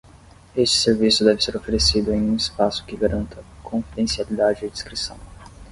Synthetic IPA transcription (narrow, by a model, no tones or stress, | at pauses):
est͡ʃɪ̥seɾvisʊd̪ɛvɪseɾofeɾesid̪ʊẽj̃ũispasʊ̥kɪɡaɾɐ̃nt̪ɐkʰõfid̪ẽsialid̪ad͡ʒɪɪd͡ʒ̪iskɾisɐ̰̃w̃